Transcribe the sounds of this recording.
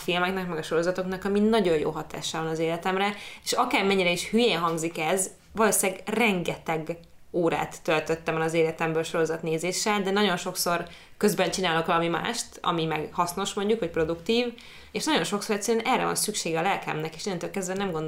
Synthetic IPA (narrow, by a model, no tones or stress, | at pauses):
filmɛkn̪ɒkmɛɡɒʃo̞ɾo̞zɒt̪o̞knɒkɒminɒɟo̞jjo̰ːɦɒt̪a̰ːʃaːvɒnɒzeːlɛt̪ɛmrɛeːʃɒkaːrmɛɲːiɾɛiʃhyjeːnɦɒŋɡzikɛz | ʋɒloːsiɛɡrɛŋɡɛt̪ɛɡ | oːɾa̰ːt̪ːølt̪øt̪ːɛmɒlɒzeːlɛt̪ɛmbøːlʃo̞ɾo̞zɒt̪neːzeːʃɛld̪ɛnɒɟo̞nʃo̞kso̞r | køzbɛnt͡ʃinaːlo̞kʋɒlɒmima̰ːʃt̪ɒ̰mimɛɡhɒsno̞ʃmo̞ɲɟukhoc̚pro̞d̪ukt̪iːv | eːʃnɒɟo̞nʃo̞kso̞ɾɛct̪sːɛɾɛnʔɛrːɛ̰vɒ̰nsykʃeːɡɛːlɛlkɛ̰mnɛkeːʃinɛnt̪øːlkɛzd̪bɛnɛmɡo̞nd̪